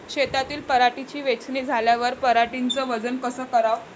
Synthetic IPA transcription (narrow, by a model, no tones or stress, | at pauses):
kɕet̪at̪iːlpəɾaʈit͡ɕiːʋet͡sniːd͡zʱaljaʋəɾpəɾaʈint͡səʋəd͡zənkəsəːkəɾaʋ